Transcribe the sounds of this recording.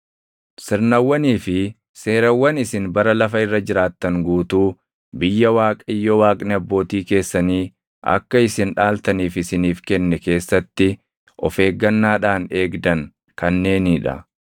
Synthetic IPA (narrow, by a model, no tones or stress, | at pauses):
sɪɾnɐwːɐniːfɪ | se̞ːɾɐwːɐnɪsɪnbɐɾɐlɐfɐɪrːɐd͡ʒɪɾaːt̪ːɐŋɡuːt̪uː | bɪjːɐwaːkʼɐɪjːɔwaːkʼnɛɐbːo̞ːt̪iːke̞ːsːɐniː | ɐ̰kːɐɪsɪnᶑaːlt̪ɐniːfɪsɪniːfkɛnːɛke̞ːsːɐt̪ːɪ | ʔɔ̰fe̞ːɡːɐnːaːᶑaːneːɡd̪ɐŋ | kɐnːe̞ːnɪᶑɐ̰